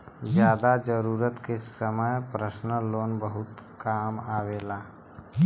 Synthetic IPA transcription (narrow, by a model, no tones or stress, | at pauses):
zjaːd̪ad͡ʒəɾuːɾət̪kesəməjpɾəsnəloːnbəɦʊt̪kaːmaːʋeːlaː